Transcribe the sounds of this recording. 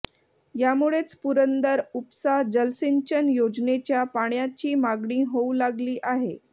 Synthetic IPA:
jamuɭet͡spuɾənd̪əɾupsaɦd͡ʑəlsiɲt͡ɕənjod͡ʑnet͡ɕjapaɳjat͡ɕiːmaɡɳiːɦoulaɡliːʔaɦe

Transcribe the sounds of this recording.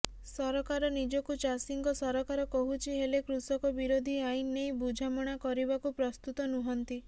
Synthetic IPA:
sɔɾɔkaɾɔnid͡ʒɔkut͡ʃasiŋkɔsɔɾɔkaɾɔkɔɦut͡ʃʰiɦelekɾusɔkɔbiɾod̪ʱiajĩnːejbud͡ʒʱamɔɽ̃akɔɾibakupɾɔst̪ut̪ɔnuɦɔnt̪i

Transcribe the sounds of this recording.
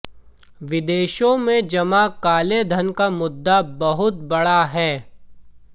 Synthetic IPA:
ʋɪd̪eːʃõmẽd͡ʒɐmakaːled̪ʱənkamʊd̪ːabɐɦʊt̪̚bɐɽaɦɛː

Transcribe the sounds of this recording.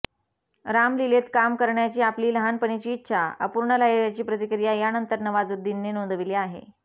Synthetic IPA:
ɾamlilet̪kamkəɾɳjat͡ɕiːapliːləɦanpəɳit͡ɕiːt̪ːɕʰaə̰puɾɳəlajɾjat͡ɕiːpɾət̪ikɾijajanənt̪əɾnəʋad͡zud̪ʱːinːenond̪əʋileaɦḛ

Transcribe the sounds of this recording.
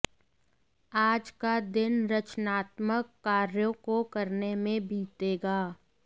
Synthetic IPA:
aːd͡ʒkad̪ɪnɾɐt͡ʃnaːt̪məkːaːɾjõkokɐɾnemẽbʱiːt̪eːɡaː

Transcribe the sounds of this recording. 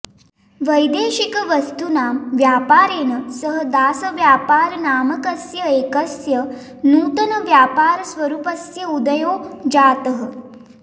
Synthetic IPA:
ʋəjd̪eːɕikəʋəst̪unaːmʋjaːpaːɾeːnəsəɦəd̪aːsəʋjaːpaːɾnaːməkəsjəeːkəsjə | nuːt̪ənəʋjaːpaːɾsʋəɾuːpəsjəud̪əjoːd͡ʑaːt̪əɦə

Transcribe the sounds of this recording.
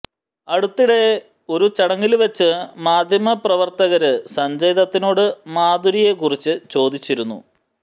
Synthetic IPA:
ɐɽut̪ːiɽe̞ | o̞ɾut͡ɕɐɽɐŋːilʋet͡ɕːɨmaːd̪ʱjɐmɐprɐʋɐrt̪ɐɣɐɾɨsɐɲd͡ʑɐjðɐt̪ːino̞ːɽɨmaːd̪uɾije̞kurit͡ɕːɨt͡ɕo̞ːd̪it͡ɕːiɾunːṵ

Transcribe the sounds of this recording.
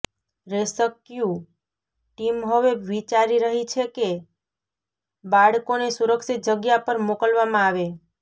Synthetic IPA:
ɾesəkjũ | ʈimɦəʋeʋit͡ʃaɾiɾəɦit͡ʃʰeke | baɽkonesuɾəksit̪̚d͡ʒəɡjapəɾmokəlʋamãaʋe

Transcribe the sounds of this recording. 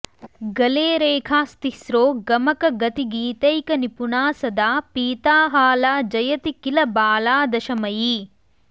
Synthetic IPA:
ɡɐleːɾeːkʰaːst̪isɾoːɡɐmɐkɐɡɐt̪iɡiːt̪ɐjkɐnipunaːsɐd̪aːpiːt̪aːɦaːlaːd͡ʒɐjɐt̪ikilɐbaːlaːd̪ɐʃɐmɐji

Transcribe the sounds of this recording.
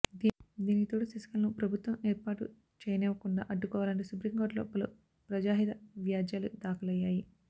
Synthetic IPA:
d̪iːnit̪oːʈisisɐ̥kɐlnupɾɐbʱut̪ʋɐmeːɾpaːʈu | t͡ʃɛːjɐnɛːʋɐkuɳɖa̰ːʔɐɖːukɔːʋaːlɐɳʈisupɾiŋɡoːɖlo̞ːpɐlṵ | pɾɐd͡ʒaːɦid̪ɐʋjaːd͡ʒjaːlud̪aːkɐlɐjːaːji

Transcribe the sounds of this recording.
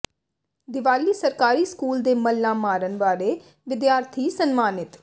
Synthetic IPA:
d̪ɪʋaːliːsəɾkaːɾiːskuːld̪eːməlːãːmaːɾənʋaːɾeː | ʋɪd̪jaːɾt̪ʰiːsənmaːnɪt̪

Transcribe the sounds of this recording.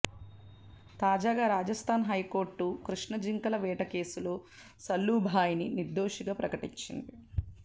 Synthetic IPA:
t̪aːd͡ʒaːɡaːɾaːd͡ʒɐst̪ʰaːnɦɐjko̞ːɾʈːukɾuʂɳɐd͡ʒiŋkɐlɐʋɛːʈɐke̞ːsulo̞ː | sɐlːuːbʱaːjininiɾd̪o̞ːʂiɡaːpɾɐkɐʈiɲt͡ʃḭnd̪i

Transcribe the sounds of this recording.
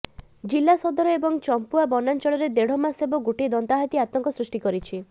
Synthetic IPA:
d͡ʒilːasɔd̪ɔɾɔebɔŋt͡ʃɔmpuabɔnant͡ʃɔɭɔɾed̪eɽ̤ɔmasebɔɡoʈed̪ɔnt̪aɦat̪iat̪ɔŋkɔsɾusʈikɔɾit͡ʃʰi

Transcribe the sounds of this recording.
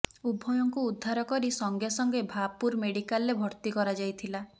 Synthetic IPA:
ubʱɔjɔŋkuːd̪ʱːaɾɔkɔɾisɔŋɡjasɔŋɡebʱapuɾmeɽikalːebʱɔɾt̪ikɔɾad͡ʒajt̪ʰila

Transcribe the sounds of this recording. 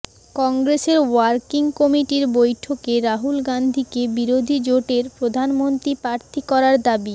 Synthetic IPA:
kɔŋɡɾeseɾwaɾkiŋkɔmiʈiɾbojʈʰokeɾaɦulɡand̪ʱikebiɾod̪ʱid͡ʑoʈeɾpɾod̪ʱanmont̪ɾipɾaɾt̪ʰikɔɾaɾd̪abi

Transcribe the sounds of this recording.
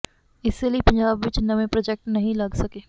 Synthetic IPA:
ɪsːeliepɐ̃ɲd͡ʒaːbʋɪt͡ʃnɐmẽpɾoːd͡ʒek̚ʈnɐɦĩlɐɡsɐkeː

